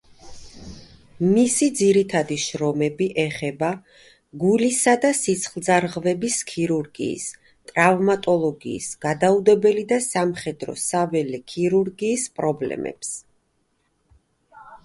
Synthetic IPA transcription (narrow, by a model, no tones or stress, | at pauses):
misid̪ziɾit̪ʰad̪iʃɾɔmɛbiʔɛχɛba | ɡulisad̪asit̪sʰχlˠd̪zaɾʁvɛbiskʰiɾuɾɡḭːs | t̪ʼɾavmat̪ʼɔlˠɔɡḭːsɡ̥ad̪aud̪ɛbɛlid̪asamχɛd̪ɾɔ̰savɛlɛkʰiɾuɾɡiːspʼɾɔblɛ̰mɛ̰ps